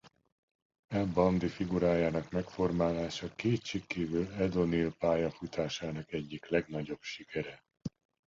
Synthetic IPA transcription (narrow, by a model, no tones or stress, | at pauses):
ɛbɒnd̪ifiɡuɾaːjaːnɒkmɛkfo̞rmaːlaːʃɒkeːt̪ʃikːiːvylɛd̪o̞nilpaːjɒfut̪ʰaːʃaːnɒkɛɟːiklɛɡnɒɟo̞bʃikɛɾɛ